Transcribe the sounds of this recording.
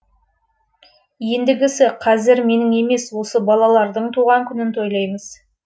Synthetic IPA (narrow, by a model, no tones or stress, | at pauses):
je̞nd̪ɪɡʲɪsɪqʰɑzɪɾme̞nɪŋe̞me̞swo̞səbɑlˠɑlˠɑɾd̪əɴt̪ʰuʁɑŋkʲʰʏnɪnt̪ʰo̞jlˠɑjməz̥